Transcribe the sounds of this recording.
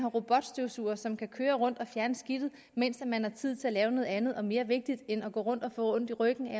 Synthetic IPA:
ɦɑ̈ʁo̝b̥ɒ̽d̥sd̥iʊsṵːɐsɒ̽mkʰækʰøːɐʁɔ̽n̰d̥ɒ̽fjæɐnəsɡ̥id̥ð̩ | men̰sd̥æmænhɑ̈t͡sʰið̰ˠt͡sʰe̝ælɛːʊno̽ːð̞̩ˠænð̞̩ˠɒ̽me̝ːɐʋe̝ɡ̥̚d̥id̥enæɡ̥ɔ̰ːʁɔ̽n̰d̥ɒ̽fɔ̰ːɔ̽n̰d̥iʁœɡ̥n̩æ

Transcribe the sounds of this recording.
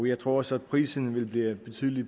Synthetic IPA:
jɑ̈ɪt͡sʰʁo̝ɐ̰ɒ̽səæd̥pʰʁḭːsn̩ʋe̝lb̥liːb̥e̝t͡sʰy̰ːðˠəli̥

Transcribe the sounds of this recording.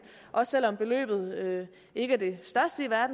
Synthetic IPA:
ʔɒ̽ssel̰ɒ̽mb̥e̝lø̰ːb̥ð̞̩ˠø | e̝ɡ̥əæɐd̥e̝sd̥ɶɐsd̥əiʋæɐd̥n̩

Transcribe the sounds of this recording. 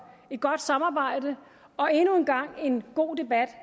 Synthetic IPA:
e̝d̥̚ɡ̥ɒ̽d̥sɑ̈mɑ̈ːb̥ɑ̈ɪ̰d̥ə | ɒ̽e̝nuenɡ̥ɑ̈ŋ̰e̝nɡ̥o̝̰ːd̥e̝b̥æd̥

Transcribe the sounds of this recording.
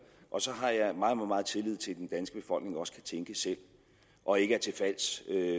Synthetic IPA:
ʔɒ̽sɒ̽ɦɑ̈jɑ̈ɪmɑ̈ːðˠɒmɑ̈mɑ̈ð̩ˠt͡sʰe̝lið̞̰ˠt͡sʰe̝ld̥end̥ænsɡ̥əb̥e̝fɒ̽l̰ɡ̥ne̝ŋɒ̽sə̥kʰæt͡sʰeŋɡ̥əsel̰ | ʔɒ̽e̝ɡ̥əæɐt͡sʰe̝lfæl̰sø

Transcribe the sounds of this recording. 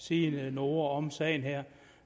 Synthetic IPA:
siːnəno̝ːɐɒ̽msɛɪnɦeɐ̰

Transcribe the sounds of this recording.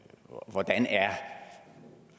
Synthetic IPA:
ʋɒd̥ænæɐ

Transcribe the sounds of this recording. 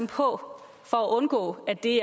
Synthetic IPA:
mpʰɒ̽ | fɒæʔɔ̽nɡ̥ɔ̰̽ːæd̥e̝æ

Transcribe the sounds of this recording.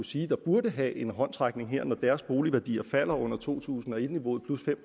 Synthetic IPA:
usiːd̥ɑ̈b̥uɐdəɦɛʔe̝nɦɒ̽n̰t͡sʰʁɑ̈ɡ̥ne̝ŋɦeɐ̰nɒd̥æːɐsb̥o̝ːliʋæɐd̥ḭːɐfæl̰ɐɔ̽n̰ɐt͡sʰo̝̰ːt͡sʰṵːsn̩ɒ̽e̝d̥niʋo̝ːð̩ˠpʰlusfem̰

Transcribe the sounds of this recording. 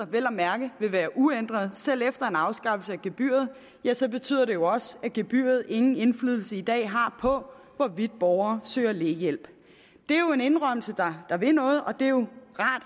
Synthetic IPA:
ɐʋel̰ɐmæɐɡ̥əʋe̝ʋæːɐʔuen̰d̥ʁɐð̞̩ˠsel̰efd̥ɐe̝nɑ̈ʊsɡ̥ɑ̈fl̩səæɡ̥eb̥y̰ːɐð̞̩ˠ | jæsɒ̽b̥e̝t͡sʰy̰ð̰ˠɐd̥e̝jo̝ɒ̽səæɡ̥eb̥y̰ːɐð̞̩ˠe̝ŋn̩e̝nflyðˠl̩səid̥ɛ̰ːɦɑ̈pʰɒ̽ | ʋɒʋid̥̚b̥ɒʊɐːsø̰ːɐle̝jel̰b̥ | d̥e̝æjo̝e̝ne̝nʁœm̰l̩səd̥ɑd̥ɑ̈ʋe̝nɔ̽ːð̞̩ˠʔɒ̽d̥e̝jo̝ʁɑ̈ːd̥

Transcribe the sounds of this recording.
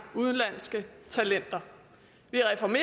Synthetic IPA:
uð̞ˠənlæn̰sɡ̥ət͡sʰælen̰d̥ɐ | ʋiʁɛfɒme̝

